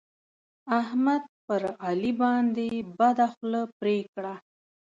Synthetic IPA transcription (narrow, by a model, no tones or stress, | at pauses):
ahmad̪̚pəɾɑlibɑnd̪ebad̪axləpɾekɽa